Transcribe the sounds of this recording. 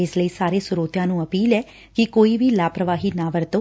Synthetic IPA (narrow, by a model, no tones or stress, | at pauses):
ɪsləiːsaːɾeːsʊɾoːt̪jãːnũːəpiːlɛː | kɪkoːiːʋiːlaːpɾəʋaːɦiːnãːʋəɾt̪oː